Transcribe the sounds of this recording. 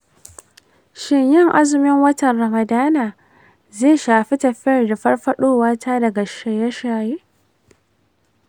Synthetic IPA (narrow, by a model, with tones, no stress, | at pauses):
ʃɪ˦ɲjɪ˦˨ŋʔa˦zɪ˨mɪ˦ŋwɐ˦tɐ˨nɾɐ˨mɐ˨daː˦naː˨ | zeː˦˨ʃaː˨ɸi˦tɐ˨ɸɪ˦ɐ˨rda˨ɸɐ˦rɸɐ˦ɗoː˦waː˦ta˦dɐ˨ɡa˨ʃa˨jɐ˦ʃaː˨jeː˦